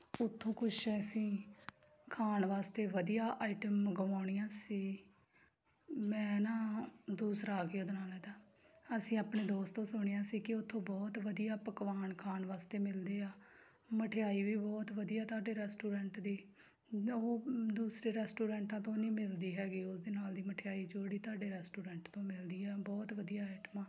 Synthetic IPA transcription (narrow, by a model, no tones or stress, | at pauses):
ʊt̪ʰːõːkʊt͡ʃʰɛsĩː | kʰaːnʋaːst̪eːʋəd̪ijaːʔaːiʈəmːəɡʋaːɳ̃ijãːsiː | mɛ̃ːnãːd̪uːsɾaːɡeoːd̪naːlɦɛːd̪aː | əsĩːaːpɳeːd̪oːst̪õːsʊɳ̃eːãːsiːkɪʊt̪ʰːõːbɔːt̪ʋəd̪ijaːpəkʋaːnkʰaːnʋaːst̪eːmɪld̪eːaː | məʈʰeaːiːʋiːbɔːt̪ʋəd̪ijaːt̪ʊaːɖeːɾɛːsʈuːɾɛ̃ːɳʈd̪iː | oːd̪uːsɾeːɾɛːsʈuːɾɛ̃ːɳʈãːt̪õːnĩːmɪld̪iːɦɛːɡiːʊsd̪eːnaːld̪iːməʈʰejaːiːd͡ʒoːɽiːt̪ʊaːɖeːɾɛːsʈuːɾɛ̃ːɳʈt̪õːmɪld̪iːɛːbɔːt̪ʋəd̪ijaːɛːʈmãː